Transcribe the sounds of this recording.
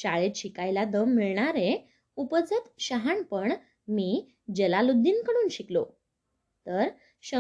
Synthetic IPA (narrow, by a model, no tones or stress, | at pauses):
ɕaɭet̪ɕikajlad̪əmːiɭɳaɾe | upəd͡zət̪ɕəɦanpəɳ | miː | d͡ʑelalud̪ʱːiːnkəɽ̃uːnɕiklo̰ | t̪əɾ | ɕə